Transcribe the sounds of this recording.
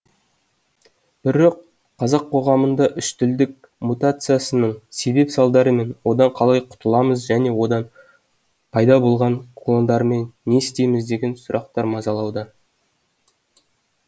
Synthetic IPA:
b̥ɪɾoq̚ | qʰːɑzɑqʰːo̞ʁɑmənd̪ɑʔʏʃt̪ʏld̪ɪk̚ | mut̪at̪sɨjasənəɴse̞be̞psɑlˠd̪ɑɾəme̞nwo̞d̪ɑɴqʰɑlˠɑjqʰʊ̥t̪əlˠɑməzʒæne̞wo̞d̪ɑn | pʰɑjd̪ɑbo̞lˠʁɑɴkʰlˠond̪ɑɾme̞nːe̞ɪst̪e̞jmɪzd̪e̞ɡʲe̞nsʊɾʔɑq̚t̪ɑɾmɑzɑlˠɑwd̪ə

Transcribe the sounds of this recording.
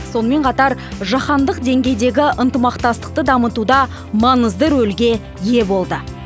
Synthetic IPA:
so̞nəme̞ɴqʰɑt̪ɑɾʒɑχɑnd̪əqd̪e̞ŋɡʲe̞jd̪e̞ɡʲɪʔənt̪əmɑqt̪ɑst̪ə̥q̚t̪əd̪ɑmət̪ud̪ɑ | mɑɴəzd̪əɾɵlɡʲe̞ | je̞bo̞lˠd̪ə

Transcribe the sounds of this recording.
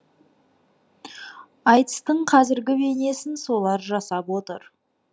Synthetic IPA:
ɑjt̪ə̥st̪əɴqʰɑzɪɾɡʲɪbe̞ne̞sɪnso̞lˠɑɾʒɑsɑpwo̞t̪ə̰ɾ

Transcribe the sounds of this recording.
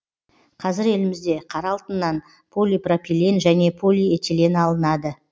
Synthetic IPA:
qʰɑzɪɾe̞lɪmɪzd̪e̞qʰɑɾɑlˠt̪ənːɑn | pʰo̞lʲijpropʲilʲenʒæne̞pʰo̞lʲijet̪ele̞nɑlˠənɑd̪ə

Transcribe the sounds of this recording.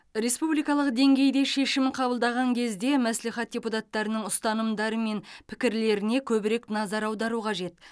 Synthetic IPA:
ɾe̞spublijkɑlˠəq̚d̪e̞ŋɡʲe̞jd̪e̞ʃe̞ʃɪmɪqʰɑbəlˠd̪ɑʁɑŋkʲʰe̞zd̪e̞mæsleχɑt̪̚dʲeput̪ɑt̪ːɑɾənəɴʊst̪ɑnəmd̪ɑɾəme̞npʰɪ̥kʲɪɾle̞ɾɪne̞kʲʰɵbɪɾe̞knɑzɑɾɑwd̪ɑɾuqʰɑʒe̞t̪

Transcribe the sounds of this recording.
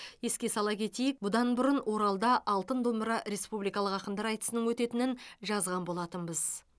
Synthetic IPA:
je̞skʲe̞sɑlˠɑkʲʰe̞t̪e̞jɪk̚bʊd̪ɑnbʊɾənwʔo̞ɾɑlˠd̪ɑʔɑlˠt̪ənd̪o̞məɾɑɾe̞spublijkɑlˠəqɑqəmd̪ɑɾɑjt̪ə̥sənəŋwɵt̪e̞t̪ɪnɪnʒɑzʁɑnbo̞lˠɑt̪ənbɪz

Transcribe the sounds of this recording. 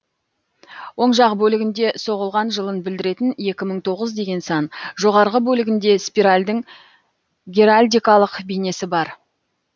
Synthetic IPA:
wo̞ɴʃɑqbɵlɪɡʲɪnd̪e̞so̞ʁəlˠʁɑnʒəlˠənbɪld̪ɪɾe̞t̪ɪne̞kʲɪməɴt̪ʰo̞ʁəzd̪e̞ɡʲe̞nsɑnʒo̞ʁɑɾʁəbɵlɪɡʲɪnd̪e̞spʲiɾalʲd̪ɪŋ | ɡʲeɾalʲd̪ijkalˠəqbijne̞sɪbɑɾ

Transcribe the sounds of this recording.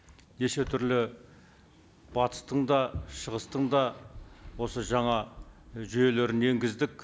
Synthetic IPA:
ne̞ʃe̞t̪ʰʏɾlɪ | b̥ɑt̪ə̥st̪əɴd̪ɑʃəʁəst̪əɴd̪ɑ | wo̞səʒɑɴɑʒʏje̞leɾɪne̞ŋɡʲɪzd̪ɪkʲ

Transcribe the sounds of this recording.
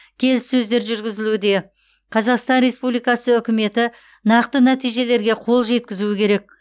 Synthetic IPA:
kʲʰe̞lɪsɵzd̪e̞ɾʒʏɾɡʲɪzɪlud̪e̞ | qʰɑzɑqst̪ɑnɾe̞spublijkɑsəʏkʲɪme̞t̪ɪ | nɑqt̪ənæt̪ijʒe̞le̞ɾɡʲe̞qʰo̞lˠʒe̞t̪kʲɪzuɪkʲʰe̞ɾe̞k̚

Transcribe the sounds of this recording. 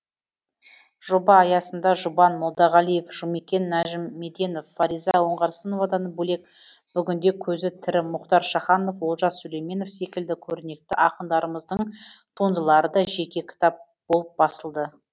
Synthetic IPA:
ʒ̥o̞bɑːjɑsənd̪ɑʒʊbɑnmolˠd̪ɑʁɑlˠije̞fʒ̥ʊmekʲe̞nːæʒɪmːe̞d̪je̞no̞fːɑɾijzɑwo̞ɴʁɑɾsənovɑd̪ɑnəɴbɵle̞k̚b̥ʏɡʲɪnd̪e̞kʲʰɵzɪt̪ʰɪɾɪmʊqt̪ɑɾʃɑχɑnofwo̞lˠʒɑsɵlejme̞no̞fse̞kʲɪld̪ɪkʲʰɵɾɪne̞k̚t̪ɪʔɑqənd̪ɑɾəməzd̪əɴt̪ʰund̪əlˠɑɾəd̪ɑʒe̞kʲe̞kʲʰɪ̥t̪ɑp̚ | b̥o̞lˠəp̚bɑsəlˠd̪ə

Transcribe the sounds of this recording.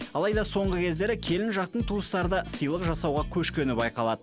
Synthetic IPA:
ɑlˠɑjd̪ɑso̞ɴʁəkʲʰe̞zd̪e̞ɾɪkʲʰe̞lɪnʒɑq̚t̪əɴt̪ʰuəst̪ɑɾəd̪ɑsəjlˠəqʒɑsɑwʁɑkʲʰɵʃkʲe̞nɪbɑjqɑlˠɑd̪̥ə

